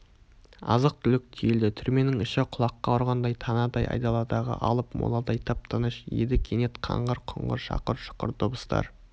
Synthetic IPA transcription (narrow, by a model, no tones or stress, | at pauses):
ɑ̰zəq̚t̪ʰʏlɪk̚t̪ʰijeld̪ɪt̪ʰʏɾme̞nɪŋɪʃɪqʰʊlˠɑqːɑʊɾʁɑnd̪ɑjt̪ʰɑnɑd̪ɑjɑ̰jd̪ɑlˠɑd̪ɑʁə̰ʔɑlˠəpmo̰lˠɑd̪ɑjt̪ʰɑp̚t̪ʰɑnəʃjḛd̪ɪkʲʰenet̪qʰɑ̰ɴʁəɾqʰʊ̰ɴʁə̰ɾʃɑ̰qəɾʃə̥qə̰ɾt̪ʰʊbəst̪ɑ̰ɾ